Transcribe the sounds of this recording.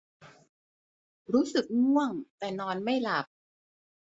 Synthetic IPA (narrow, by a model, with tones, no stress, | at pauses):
ɾuː˦˥sɯ˨˩k̚mu˥˩əŋt̪ɛː˨˩nɔː˧nma˥˩jla˨˩p̚